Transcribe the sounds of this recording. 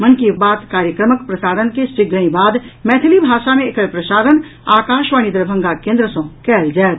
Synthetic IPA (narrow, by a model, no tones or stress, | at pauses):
mənkibaːt̪kaːɾjəkɾəməkpɾəsaːɾənkesiɡɾəĩbaːd̪mɛːt̪ʰilibʱaːʃamẽekəɭpɾəsaːɾənaːkaːʃʋañid̪ɾəbʱə̃ŋɡakẽːnd̪ɾəsõkɛːld͡ʒaːt̪